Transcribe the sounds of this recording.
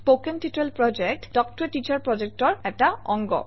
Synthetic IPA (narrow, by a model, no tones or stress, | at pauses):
pokenʈiʈɾelpɹɔd͡ʑek̚ʈd̥ɔk̚ʈɔɾeʈit͡ɕaɹpɹɔd͡ʑek̚ʈɔɹɛʈaɔŋɡɔ̰